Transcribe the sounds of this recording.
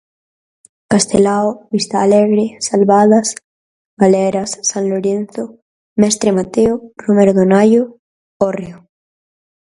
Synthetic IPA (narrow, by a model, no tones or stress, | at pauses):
kast̪elaoβist̪aːleɣɾesalβaðas | ɡaleɾasːanloɾen̟θo | mɛst̪ɾemat̪eorumeɾðonajo | oreo